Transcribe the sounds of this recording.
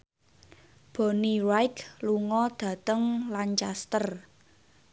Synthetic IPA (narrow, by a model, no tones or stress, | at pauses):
b̥ɔ̤nirajkluŋɔd̪̥ä̤t̪əŋlant͡ʃast̪ər